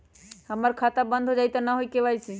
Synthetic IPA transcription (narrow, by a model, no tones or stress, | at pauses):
həməɾkʰat̪abə̃nd̪ʱɦod͡ʒajt̪ɔnaɦojkebajt͡ʃʰi